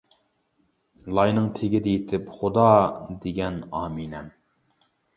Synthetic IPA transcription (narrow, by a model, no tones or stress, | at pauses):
lˠɑjnɨŋt̪ʰeɡʲɪd̪ɛjit̪ʰɪpχʊd̪ɑːd̪eɡʲɛnɑːminɛm